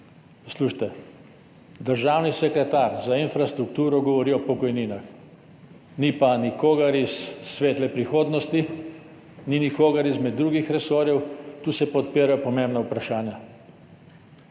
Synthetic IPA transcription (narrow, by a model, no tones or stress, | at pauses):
sluːʃt̪ɛ | d̪əɾʒaːwnisɛkɾɛt̪aɾzainfɾast̪ɾukt̪uːɾɔɡɔʋɔɾiːɔpɔkɔjniːnax | nipanikoːɡɐɾisːʋeːt̪lɛpɾixoːd̪nɔst̪i | ninikoːɡɐɾizmɛd̪ːɾuːɡixɾɛsoːɾjɛwt̪uːsɛpɔt̪piːɾajɔpɔmembnaupɾaʃaːnja